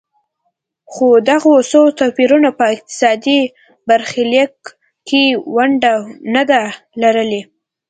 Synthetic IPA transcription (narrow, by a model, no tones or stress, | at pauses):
xod̪aɣosot̪apiɾunapəɪq̚t̪ɪ̥sɑd̪i | baɾxɪlak | kewaɳɖanad̪a | laɾəle